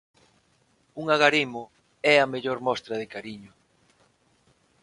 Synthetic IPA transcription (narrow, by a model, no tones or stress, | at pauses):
uŋaɣaɾimʊ | ɛɐmeʎoɾmɔst̪ɾɐðɪkaɾiɲʊ